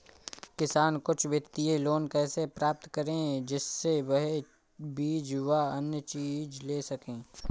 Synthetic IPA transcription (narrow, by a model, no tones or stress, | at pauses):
kɪsaːnkʊt͡ʃʰʋjək̚t̪ieloːnkɛːsepɾaːp̚t̪kɐɾẽd͡ʒɪsːewəɦe | biːd͡ʒʋaɐnjət͡ʃiːd͡ʒleːsɐkẽː